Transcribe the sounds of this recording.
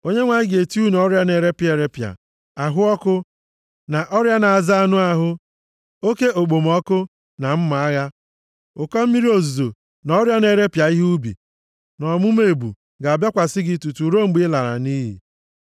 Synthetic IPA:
o˦ɲe˦ŋʷa˨ɲɪ˦ɡe˨tu˦n˨ɔ˦ɾja˦ne˨ɾe˦pje˨ɾe˦pja̰˨ | a˨ɦʊ˦ɔ˦kʊ˦ | na˨ʔɔ˦ɾja˦na˨a˨za˦a˨nʊ˦a˦ɦʊ˦ | o˦ke˦o˨ɡ͡bo˨mɔ˦kʊ˦ | na˨m̩˦ma˨a˦ɣa˦ | ʊ˨kɔ˦m̩˦mi˦ɾi˦o˨zu˨zo˨ | nɔ˦ɾja˦ne˨ɾe˦pja˨i˦ɦu˦bḭ˨ | nɔ˨mʊ˦m˦e˨bṵ˨ | ɡa˨a˨bja˦kʷa˨sɪ˦ɡɪ˦tu˨tu˨ɾo˦ŋ͡m̩˦ɡ͡bi˦la˨ɾa̰˨ni˦ɦḭ˨

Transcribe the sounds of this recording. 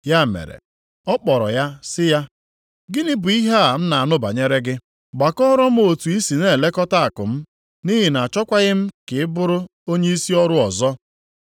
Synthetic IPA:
ja˦˨mḛ˨ɾḛ˨ | ɔ˦k͡pɔ˨ɾɔ̰˨ja˦sɪ˦ja˦ | ɡɪ˦nɪ˦bʊ˨i˦ɦa˦a˨m̩˦na˨a˨nʊ˦ba̰˨ɲe˦ɾe˦ɡɪ˦ | ɡ͡ba˨kɔ˦ɾɔ˦m̩˦o˨tu˨i˦si˨ne˦˨le˦kɔ˦ta˦a˨kʊ̰˨m̩˦ | ni˦ɦɪ˨na˨a˨t͡ʃɔ˦kʷa˦ɣɪ˦m̩˦kɪ˨ɪ˦bʊ˦ɾʊ˦o˦ɲe˦i˦si˦ɔ˦ɾʊ˦ɔ˨zɔ˦

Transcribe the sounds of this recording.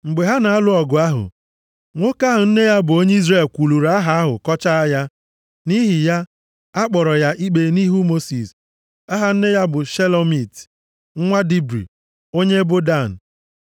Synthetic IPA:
ŋ͡m̩˨ɡ͡be˨ɦa˦na˨a˦lʊ˦ɔ˨ɡʊ˨a˦ɦʊ̰˨ | ŋʷo˦ka˦ɦʊ˨n̩˦ne˦ja˦bʊ˨o˦ɲe˦i˦zre˨lkʷu˨lu˨ɾa˦ɦa˨a˦ɦʊ̰˨kɔ˦t͡ʃa˦a˦ja˦ | ni˦ɦɪ˨ja˦ | a˦k͡pɔ˨ɾɔ˨ja˦ʔi˦k͡pe˨ni˦ɦu˦mo˦si˨s | a˦ɦa˨n̩˦ne˦ja˦bʊ˨ʃe˦lo˦mi˨t | ŋ̩˦ŋʷa˦di˦bɾḭ˨ | o˦ɲe˦bʊ˦da˦˨n̩˨

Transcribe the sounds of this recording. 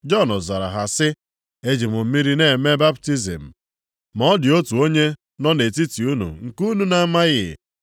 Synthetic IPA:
d͡ʒɔ˦˨nʊ˨za˨ɾa̰˨ɦa˨sɪ˦ | e˦d͡ʒi˨mʊ˨m̩˦mi˦ɾi˦ne˦˨me˦ba˦p̚ti˦zḛ˨m̩˨ | mɔ˦dɪ˨o˦tu˨o˦ɲe˦ | nɔ˦ne˨ti˦ti˨u˦nṵ˨ŋ̩˨ku˦nu˦na˦ma˦ɣɪ̰˨

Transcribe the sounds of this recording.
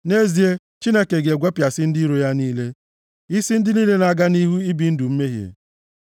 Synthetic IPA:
ne˦zi˨e˦ | t͡ʃi˦ne˦ke˨ɡe˨ɡʷe˦pja˨sɪ˦n̩˦dɪ˦ɾo˨ja˦niː˦le˦ | i˦si˦n̩˦dɪ˦niː˦le˦na˨ɡa˦ni˦ɦu˦i˦bi˨n̩˦du˨m̩˦me˦ɦjḛ˨

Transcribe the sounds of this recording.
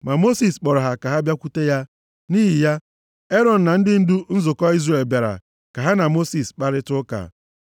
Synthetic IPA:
ma˨mo˦si˨sk͡pɔ˨ɾʊ˨ɦa˨ka˨ɦa˦bja˦kʷu˦te˦ja˦ | niː˦ɦɪ˨ja˦ | e˦ɾɔ˨n̩˨na˨n̩˦dɪ˦n̩˦du˦n̩˦zʊ˨kɔ˦i˦zre˨lba˨ɾa̰˨ | ka˨ɦa˦na˨mo˦si˨sk͡pa˦ɾɪ˦tʊ˦ka̰˨

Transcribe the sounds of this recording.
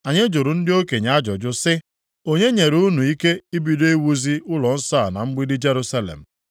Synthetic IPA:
a˨ɲe˦d͡ʒʊ˨ɾʊ˨n̩˦dɪ˦o˦ke˨ɲa˦d͡ʒɔ˨d͡ʒʊ˦sɪ˦ | o˦ɲe˦ɲe˨ɾu˦nu˨i˦ke˦i˦bi˨do˦e˦wu˦zi˦ʊ˦lɔ˨n̩˦sa˦˨na̰˨ŋ͡m̩˦ɡ͡bi˦dɪ˦d͡ʒe˦ɾu˦sa˦lḛ˨m̩˨

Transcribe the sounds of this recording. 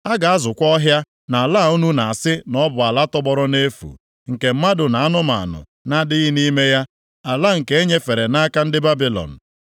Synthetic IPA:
a˦ɡa˨a˦zʊ˨kʷɔ˦ɦja˦ | na˨a˨laː˦˨u˦nu˦na˨a˨sɪ˦nɔ˦bʊ˨a˨la˦tɔ˦bɔ˦ɾɔ˦ne˦fṵ˨ | ŋ̩˨ke˨m̩˦ma˦dʊ˨na˨a˦nʊ˦ma̰˨a̰˨nʊ̰˨ | na˦dɪ˦ɣi˦ni˦me˦ja˦ | a˨la˦ŋ̩˨ke˦e˦ɲe˦fe˨ɾe˨na˦ka˦n̩˦dɪ˦ba˦bi˨lɔ̰˨n̩˨

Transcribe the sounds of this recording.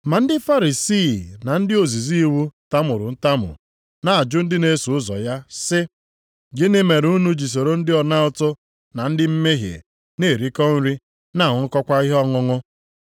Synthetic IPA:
ma˨n̩˦dɪ˦fa˦ɾi˨si˦˨na˨n̩˦dɪ˦o˨zi˨zi˦i˦wu˦ta˦mʊ˨ɾʊ̰˨n̩˦ta˦mʊ̰˨ | na˨a˨d͡ʒʊ˦n̩˦dɪ˦ne˦su˨ʊ˦zɔ̰˨ja˦sɪ˦ | ɡɪ˦nɪ˦me˨ɾu˦nu˦d͡ʒi˨s̬o˨ɾo˦n̩˦dɪ˦ɔ˨na˦ʊ˦tʊ˦ | na˨n̩˦dɪ˦m̩˦me˦ɦjḛ˨ | ne˦˨ɾi˦kɔ˦n̩˦ɾi˦ | na˦˨ŋʊ˨˦ŋ̩˦kɔ˦kʷa˦i˦ɦɔ˦ŋʊ˦ŋʊ˦

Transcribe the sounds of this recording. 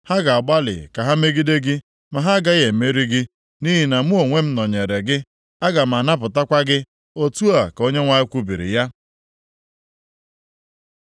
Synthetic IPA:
ha˦ɡa˨a˨ɡ͡ba˦lɪ̰˨ka˨ɦa˦me˦ɡi˦de˦ɡɪ˦ | ma˨ɦa˦ɡa˦je˨me˦ɾi˦ɡɪ˦ | ni˦ɦi˨na˨mʊ˦o˨ŋʷe˦m̩˦nɔ˨ɲe˨ɾe˨ɡɪ˦ | a˦ɡa˨m̩˨a˨na˦p̬ʊ˨ta˦kʷa˦ɡɪ˦ | o˦tu˦a˨ko˦ɲe˦ŋʷa˦ɪ˦kʷu˦bi˨ɾḭ˨ja˦

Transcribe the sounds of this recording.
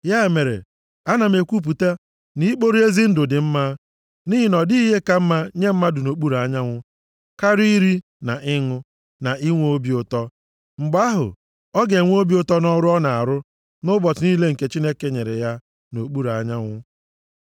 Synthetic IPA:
ja˦e˨me˨ɾḛ˨ | a˦na˨me˨kʷu˦p̬u˨ta˦ | ni˦k͡po˦ɾi˦e˦zi˦n̩˦dʊ˨dɪ˨m̩˦ma˦ | ni˦ɦɪ˨nɔ˨di˦i˦ɦe˦ka˦m̩˦ma˦ɲe˦m̩˦ma˦dʊ˨no˨k͡pu˦ɾa˨ɲa˦ŋʷʊ˦ | ka˦ɾi˦ɾi˦ | na˨ʔɪ˦ŋʊ˦ | na˨ʔi˦ŋʷo˦bi˦ʊ˨tɔ˦ | ŋ͡m̩˨ɡ͡ba˦ɦʊ̰˨ | ɔ˦ɡe˨ŋʷ˦o˦bi˦o˦tɔ˦nɔ˦ɾʊ˦ɔ˦na˨a˨ɾʊ˦ | nʊ˦bɔ˨tʊ˨ni˦le˦ŋ̩˨ke˦t͡ʃi˦ne˦ke˦ɲe˨ɾḛ˨ja˦ | no˨k͡pu˦ɾa˨ɲa˦ŋʷʊ˦

